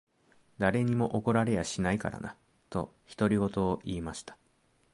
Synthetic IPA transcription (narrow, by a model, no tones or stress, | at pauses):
d̪aɾe̞ɲ̟imo̞ʔoko̞ɾaɾe̞jaɕinaika̰ɾa̰na̰ | t̪o̞çi̥t̪o̞ɾʲiɡo̞t̪o̞ːʔiːmaɕi̥t̪ḁ